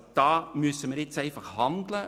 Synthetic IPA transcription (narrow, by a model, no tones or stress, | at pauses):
d̥ɑːmʉəsəməɾɪtsæɪfɑχhɑnd̪lə